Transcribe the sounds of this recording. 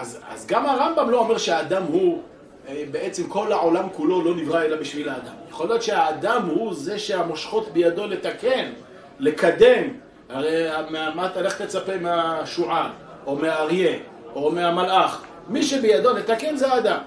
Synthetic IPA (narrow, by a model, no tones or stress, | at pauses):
ʔaza̰zɡamaʁambamlo̞ome̞ʁʃeaːd̪amhu | ebeʔet͡semko̞laʕo̞lamkulo̞lo̞nivʁaelabiʃvilaːd̪amjaχolijo̞t̪ʃeaːd̪amhuze̞ʃeamoʃχo̞t̪bejad̪o̞let̪ake̞n | lekad̪e̞m | aʁeameamat̪aleχe̥t̪let͡sapemeaʃuʕan | ʔo̞meaːʁje̞ | ʔomeamalʔaχ | miʃebejad̪o̞net̪ake̞nzeaːd̪am